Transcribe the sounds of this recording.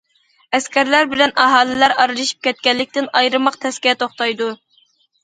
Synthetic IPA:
ɛskʲɛɾlæɾbɪlɛnɑɦɑːlˠɪlæɾɑɾlɨʃi̥p̚kʲʰɛt̪̚kʲɛlːɪkʲt̪ɪnɑjɾɨmɑqt̪ʰɛskʲiɛt̪ʰoχt̪ɑjd̪u

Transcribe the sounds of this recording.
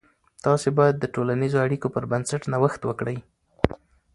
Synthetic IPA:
t̪ɑsebɑjad̪ːəʈolanizoaɽikopəɾbansaʈnawəxt̪wəkɽəj

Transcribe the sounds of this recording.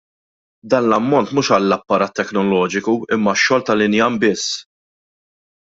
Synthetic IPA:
d̪ɐːnlɐmːɔnt̪muːʃɐlːɐpːɐɾɐːt̪ːɛknɔlɔːd͡ʒɪkuɪmːɐʃːɔːlt̪ɐlɪnjɐnbɪsː

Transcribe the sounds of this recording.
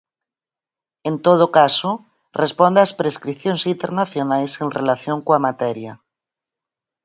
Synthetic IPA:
ẽnt̪oð̞okaso | respond̪easpɾeskɾiθjõnsint̪eɾnaθjonajsenrelaθjoŋkoamat̪ɛɾja

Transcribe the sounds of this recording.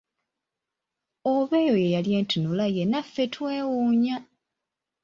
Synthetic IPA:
oβe̞ːjo̞je̞jaljeːntunulajenafːe̞tweːwuɲa

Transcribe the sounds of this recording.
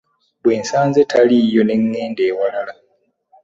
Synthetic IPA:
βwe̞ːnsaːnzetʰalijo̞ne̞ŋːe̞ːnde̞ːwalala

